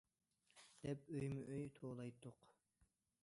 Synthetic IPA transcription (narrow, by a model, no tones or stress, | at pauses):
d̪̥ɛpøjmɪʔøjt̪ʰoːlˠɑjt̪ʰːʊq